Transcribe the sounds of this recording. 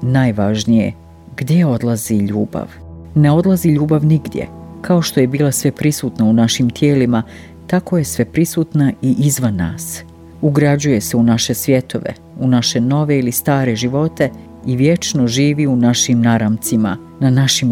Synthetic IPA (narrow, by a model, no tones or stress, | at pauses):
najʋaʒnijḛ | ɡ̥d̪jeo̞d̪lˠaziʎṵːba̰ʋ | ne̞o̞d̪laziʎuːbaʋniɡd̪jḛkʰao̞ʃt̪o̞je̞biːlˠasʋe̞pɾisuːt̪naunaʃimt̪je̞ːlima | t̪ako̞je̞sʋe̞pɾisuːt̪naiʔizʋanːa̰ːs | uɡɾad͡ʑuje̞se̞unaʃe̞sʋje̞t̪oʋḛ | unaʃe̞no̞ʋe̞ilist̪aːɾe̞ʒiʋo̞t̪e̞ | iʋje̞t͡ʃnoʒiːʋiunaʃimnaɾamt̪sima̰ | nanaʃim